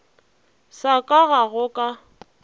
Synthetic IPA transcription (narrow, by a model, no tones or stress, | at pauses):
sakʼaɣaɣʊkʼa